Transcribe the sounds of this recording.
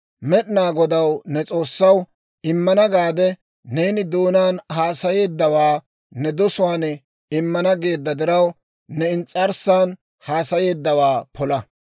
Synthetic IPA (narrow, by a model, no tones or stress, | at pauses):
mɛɗnaːɡɔd̪ɐwnɛt͡sʼo̞ːsːɐw | ɪmːɐnɐɡaːd̪ɛ | neːnɪd̪oːnaːnhaːsɐje̞ːd̪ːɐwaː | nɛd̪ɔsʊwaːnɛ | ɪmːɐnɐɡe̞ːd̪ːɐd̪ɪɾɐw | nɛɪnt͡sʼɐɾsaːn | haːsɐje̞ːd̪ːɐwaːpʰɔlɐ